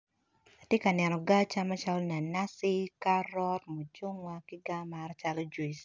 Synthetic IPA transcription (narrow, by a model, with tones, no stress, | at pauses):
a˨tje˦ka˨nɛ˨nɔ˨ɡa˦t͡ʃa˦ma˦t͡ʃa˦lɔ˦ni˨a˨na˦si˦ka˦ɾɔ˦tmo˨d͡ʒo˦ŋwa˦ki˦ɡa˦ma˨ɾt͡ʃa˦lo˦d͡ʒu˨˦i˨s